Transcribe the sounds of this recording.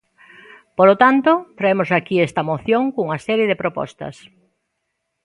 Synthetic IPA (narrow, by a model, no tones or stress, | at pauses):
polot̪ant̪ot̪ɾaemosakiɛst̪ɐmoθjoŋkuŋɐsɛɾjeðɪpɾopɔ̰st̪ɐ̰s